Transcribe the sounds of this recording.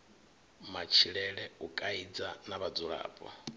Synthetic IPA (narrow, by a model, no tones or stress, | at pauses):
mat͡ʃʰiɺɛɺɛukʼaid͡zanaβad͡zuɺa̰ːpʼɔ̰